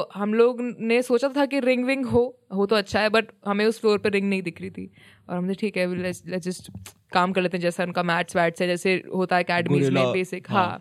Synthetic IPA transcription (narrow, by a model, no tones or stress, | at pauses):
oɦɐmloːɡnesoːt͡ʃat̪ʰakiɾɪ̃ŋɡʋɪ̃ŋɡɦoːɦot̪oɐtːʃʰaɦɛbɐʈɦɐmẽʊsfloːɾpeɾɪ̃ŋɡnɐɦĩd̪ɪkʰɾit̪ʰḭ | ɔ̰ːɾɦɐmd͡ʒeʈʰiːkɦɛlɛslɛd͡ʒɪsʈ | kaːmkɐɾleːt̪eɦɛd͡ʒɛːsaʊnkamɛːʈsʋɛːʈsɦɛ̃d͡ʒɛːseɦoːt̪aɦɛɐkɛːɖəmmiːzmẽbeːsɪkɦãː